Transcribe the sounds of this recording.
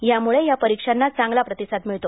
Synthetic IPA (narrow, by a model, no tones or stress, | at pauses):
jamuɭejapəɾikʂanːat͡saŋɡlapɾət̪isat̪miɭt̪o